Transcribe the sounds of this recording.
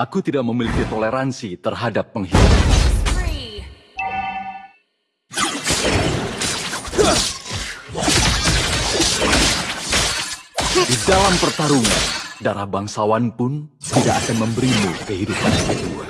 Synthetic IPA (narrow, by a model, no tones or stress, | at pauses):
akut̪idak̚məmilikit̪oleɾansit̪ərɦadapːəŋɦidupa | didalampərt̪aɾuŋa̰ndaɾahbaŋsawanpʊn | t̪idaʔakanməmbəɾimukəɦidupansət̪ua̰